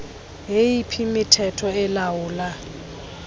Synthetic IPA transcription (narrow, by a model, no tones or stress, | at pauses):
ɦeipʰimɪtʰɛtʰɔɪlaʊːla